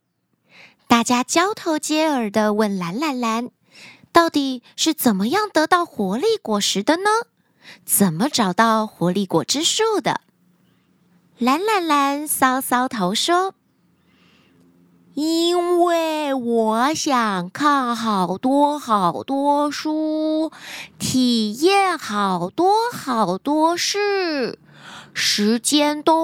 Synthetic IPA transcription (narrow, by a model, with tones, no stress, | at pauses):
t̪a˥˩t͡ɕja˥t͡ɕjɑ˥ʊt̪ʰo˧˥ʊt͡ɕjɛ˥ə˞˨˩d̪ə˦wə˥˩nla˧˥nla˧˥nla˧˥n | t̪ɑ˥˩ʊt̪i˨˩ʂɻ̩˥˩t͡sə˨˩nmə˦jɑ˥˩ŋt̪ɤ˧˥t̪ɑ˥˩ʊxwɔ˧˥li˥˩kwɔ˨˩ʂɻ̩˧˥d̪ə˧nə˧ | t͡sə˨˩nmə˦ʈ͡ʂɑ˨˩ʊt̪ɑ˥˩ʊxwɔ˧˥li˥˩kwɔ̰˨˩ʈ͡ʂɻ̩˥ʂo˥˩ʊd̪ə̰˩ | la˧˥nla˧˥nla˧˥nsɑ˥ʊsɑ˥ʊt̪ʰo˧˥ʊʂwɔ˥ | i˥nwe˥˩wɔ˨˩˦ɕjɑ˨˩ŋkʰa˥˩nxɑ˨˩ʊt̪wɔ˥xɑ˨˩ʊt̪wɔ˥ʂu˥ | t̪ʰi˨˩jɛ˥˩nxɑ˨˩ʊt̪wɔ˥xɑ˨˩ʊt̪wɔ˥ʂɻ̩˥˩ | ʂɻ̩˧˥t͡ɕjɛ˥nt̪o˥